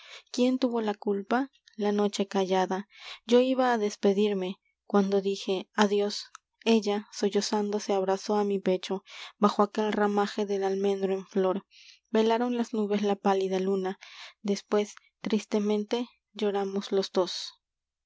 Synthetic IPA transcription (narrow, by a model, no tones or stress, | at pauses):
kje̞nt̪uβo̞lakulpa | lano̞t͡ʃe̞kaʝaðad͡ʒo̞iβaːðe̞spe̞ðiɾme̞ | kwand̪o̞ðixe̞aðjo̞s | e̞ʝasoʝosand̪oseaβɾaso̞amipe̞t͡ʃo̞baxoake̞lramaxeðelalmẽ̞nd̪ɾoeɱflo̞ɾ | be̞laɾo̞nlaznuβe̞slapaliðalunad̪espwe̞s | t̪ɾist̪e̞mẽ̞nt̪e̞ | ʝo̞ɾamozlo̞zd̪o̞s